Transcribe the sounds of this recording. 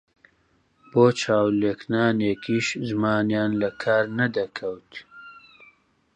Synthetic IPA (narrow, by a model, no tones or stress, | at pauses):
b̥oːt͡ʃʰaːwleːknaːneːkʰiːʃzmaːnjaːnlɐkʰaːɾnɐd̪ɐkʰɐwt̪